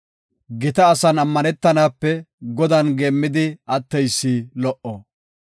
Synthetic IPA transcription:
ɡɪt̪ɐːsɐnɐmːɐnɛt̪ːɐnaːpːɛɡɔd̪ɐnɡeːmːɪd̪ɪɐt̪ːɛjsːilɔʔɔ

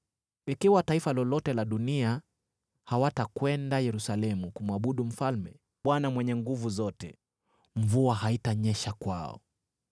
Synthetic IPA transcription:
ikiwataifalɔlɔtɛlaɗunia | hawatakwɛndajɛɾusalɛmukumwaɓuɗum̩falmɛ | ɓwanamwɛɲɛŋɡuvuzɔtɛ | ɱ̩vuaɦaitaɲɛʃakwa̰ɔ̰

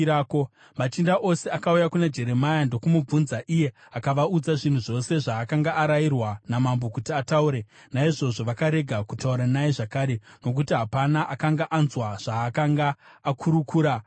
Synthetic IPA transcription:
aːko | mat͡ʃindaʔo̞seakaujakuned͡ʒe̞ɾe̞majando̞kumub͡vunzaʔije̞ | akaʋaud͡zaʐin̤uʐo̞se̞ʐaːkaŋɡaːɾairwanamambo̞kutiatauɾe̞ | naiʐo̞ʐo̞ʋakaɾe̞ɡʱakutauɾanajeʐakaːɾe̞no̞k̬utiɦapanaʔakaŋɡaʔanzwaʐ̥aːkaŋɡaːkʰuɾukuːɾa

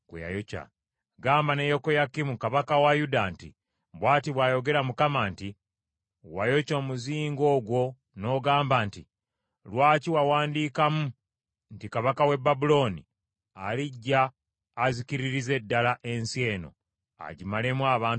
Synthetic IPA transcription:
kṵja̰joca̰ | ɡaːmbanejo̞kojakːimukaβakawajudantḭ | bwaːtiβwaːjo̞ɡe̞ɾamukamanti | wajo̞co̞ːmuziːŋɡo̞ːɡwo̞ | no̞ːɡaːmbanti | lwaːciwawaːndiːkamu | ntikaβakawe̞babulo̞ːni | aliɟːaː | zikiɾiɾize̞dːalaʔe̞nsje̞ːno̞̰ | a̰ɟimale̞mwaːβaːn

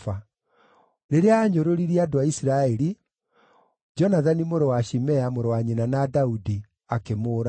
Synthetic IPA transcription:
fa | neɾeaːɲoɾoɾiɾiadoaisiɾaɛɾi | d͡ʒɔnaðanimoɾowaɕimɛamoɾowaɲinanadaudi | akemoːɾa

